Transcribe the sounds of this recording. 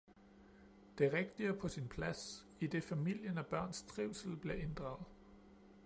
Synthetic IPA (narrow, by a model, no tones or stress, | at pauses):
d̥e̝ʁeɡ̥d̥iɐpʰɒ̽sinpʰlæs | id̥e̝fæmil̰jənæb̥ɶɐ̰nst͡sʰʁiʊsl̩b̥le̝ʔe̝nd̥ʁɑ̈ʊð̩ˠ